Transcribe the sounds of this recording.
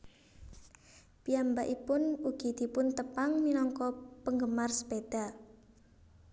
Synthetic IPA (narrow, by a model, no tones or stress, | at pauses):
piambaʔipʊnuɡ̥i̤d̪̥ipʊnt̪əpaŋminɔŋkɔpəŋɡəmarsə̥ped̪̥a